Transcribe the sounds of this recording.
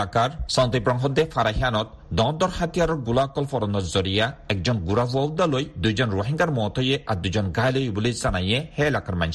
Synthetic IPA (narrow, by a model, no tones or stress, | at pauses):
akaɾsant̪ipɾɔŋɦɔd̪efaɾaɦianɔt̪̚ | d̪ɔd̪ɔɾhat̪ijaɾɔɡulaɔkːɔlfɔɾɔnɔɾzɔɾijaɛk̚zɔnɡuɾabuawd̪alojd̪ujd͡ʒɔnɾoɦiŋɡaɾmɔt̪ʰɔjeʔaɾd̪ujɔnɡajlojbulizanajehɛelakaɾma̰n